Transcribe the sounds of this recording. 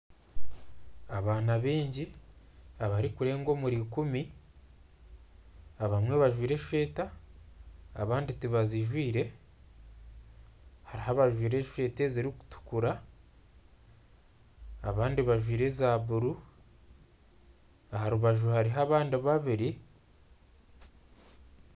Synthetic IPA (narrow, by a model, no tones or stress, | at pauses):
aβaːnaβiːɲɟi | aβaɾikuɾe̞ːŋɡo̞ːmuɾikumi | aβamweβaʒwiːɾe̞ʃe̞ːtaː | βaːnditiβaziʒwiːɾe̞ | haɾihaβaʒwiːɾe̞ʃe̞ːte̞ziɾiku̥tu̥kuɾa | βaːndiβaʒwiːɾe̞zaβuɾu | aɦaɾuβaʒuhaɾiɦaβaːndiβaβiɾi